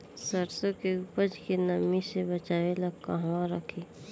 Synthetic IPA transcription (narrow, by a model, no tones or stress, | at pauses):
səɾsõkeuːpəɾd͡ʒkenəmisebət͡ʃaːwelakaɦwãɾəkʰi